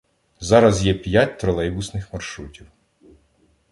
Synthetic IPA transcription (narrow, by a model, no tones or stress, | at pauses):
zɑɾɐzjɛpʲjatʲt̪ɾɔlˠɛjbʊsnɪxmɐrʃɾutʲiw